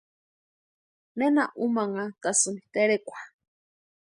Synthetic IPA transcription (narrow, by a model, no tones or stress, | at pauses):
nenaʔumaŋat̪asɨnit̪eɾekʷḁ